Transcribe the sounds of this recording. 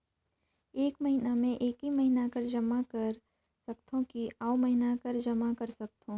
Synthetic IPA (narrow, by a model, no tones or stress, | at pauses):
eːkmɐɦinamẽʔeːkimɐɦinakɐɾd͡ʒɐmakɐɾ | sɐkt̪ʰõkiaːomɐɦɪnakɐɾd͡ʒɐmakɐɾsɐk̚t̪ʰõː